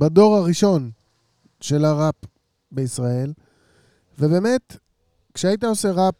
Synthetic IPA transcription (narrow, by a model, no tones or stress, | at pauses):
bado̞ʁaʁiʃo̞n | ʃe̞laʁap | beisʁae̞l | ve̞be̞ːmet | kʃeaitao̞seʁap̚